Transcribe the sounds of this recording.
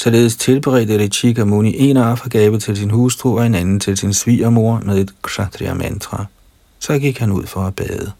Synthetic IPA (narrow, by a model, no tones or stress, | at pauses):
sɒ̽le̝ːð̞ˠst͡sʰe̝lb̥eʁɛ̰ːd̥əleɕʰiɡ̥ʰæmuniʔe̝nɑfɐɡ̥ɛːʋət͡sʰe̝lsinhuːsd̥ʰʁṵɒ̽e̝nænn̩t͡sʰe̝lsinsʋḭːɐmo̝ɐmeðˠe̝d̥kʰsɑt͡sʰʁḭæmænd̥ʰʁɑ | sɒ̽ɡ̥iɡ̥hænuð̰ˠfɒ̽æb̥ɛːðˠə